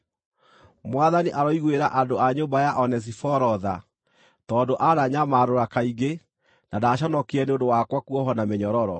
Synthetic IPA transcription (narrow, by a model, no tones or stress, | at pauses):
mwaðaniʔaɾɔiɣweɾaʔadoaɲoːmbajaʔɔnɛs̬ifɔɾɔða̰ | tɔːndoʔaɾaɲamaɾoɾakaiɡe | nadaɕɔnɔkeɛneondowakwakuɔɦɔnameɲɔɾɔɾɔ